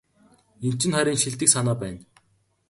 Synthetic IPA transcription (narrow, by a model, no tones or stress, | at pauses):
im̥t͡ɕɪ̆nχæɾʲiːŋʃiɮt̪ɘ̆ksanaːpæːn